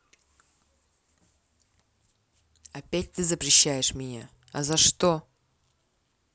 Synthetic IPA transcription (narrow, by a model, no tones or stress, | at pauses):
ɐpʲæt̚ʲt̪ɨzəpɾʲɪɕːæjɪʂmʲɪnʲa | ɐ̰zɐʂt̪o